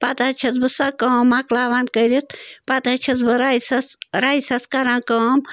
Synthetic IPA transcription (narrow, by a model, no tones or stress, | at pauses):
pat̪at͡ʃʰɐt͡sbɨsɐkɐmaklaːʋaːnkəɾit̪pat̪at͡ʃʰɐsbɨɾaːisɐsɾaːisɐskɐɾãːkɐːm